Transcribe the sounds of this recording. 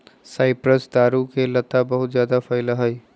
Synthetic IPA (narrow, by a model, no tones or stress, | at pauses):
saːɪpɾəsd̪aːɾukelɐt̪abɐɦʊt̪zjaːd̪afʰɐɪləɦɐi